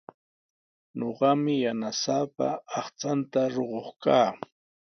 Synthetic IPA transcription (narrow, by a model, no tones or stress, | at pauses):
ɲoɢɑmɪjanasapa̰ɑχt͡sant̪aɾoɢoχkaː